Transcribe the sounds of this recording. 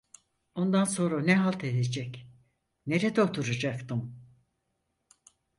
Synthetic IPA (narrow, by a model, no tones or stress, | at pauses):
o̞nd̪anso̞nɾanɛɦalˠt̪ʰe̞d̪ed͡ʒɛc | ne̞ɾed̪ɛot̪ʰuɾad͡ʒakt̪ʰɯm